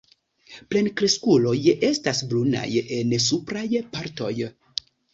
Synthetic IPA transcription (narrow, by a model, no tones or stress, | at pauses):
ple̞nkɾeskulo̞je̞stasbluna̰je̞nsupɾajpaɾto̞j